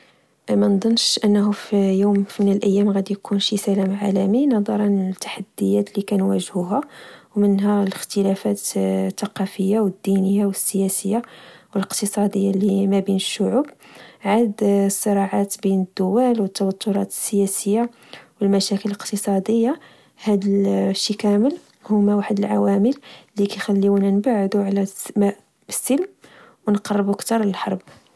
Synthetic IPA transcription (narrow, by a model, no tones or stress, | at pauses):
mænd̪ˤənːʃʔənːɦʊfijumfimənəlʔəjːæmɣæd̪ijkunʃisælæmʕalæminɑd̪ˤɑɾˤɑnt̪ːḁħad̪ːəjːæt̪likænwæ̰ʒhuɦæwmənɦæləxt̪əlæfæt̪ːɑqɑfəjːawəd̪ːinəjːawəsːəjæsəjːawələqt̪əsˤɑd̪əjːalimæbinəʃːʊʕubʕad̪sˤːəɾˤɑʕat̪binəd̪ːʊwælwət̪ːɑwɑt̪ːʊɾˤɑ̰t̪ə̥sːəjæsəjːa | wəlmæʃækələləqt̪əsˤɑd̪əjːa | hæd̪əlʃːikæməl | hʊmæwaħd̪əlʕa̰wæməllikæjxælːiwnænbaʕəd̪uʕlæm | əsːəlm | wnqɑrˤːəbukt̪ɑɾˤləlħɑ̰ɾˤb